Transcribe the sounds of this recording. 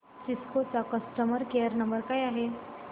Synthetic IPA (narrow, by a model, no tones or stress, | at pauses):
siskot͡sakəsʈəməɾkejəɾnəmbəɾkaːjaɦe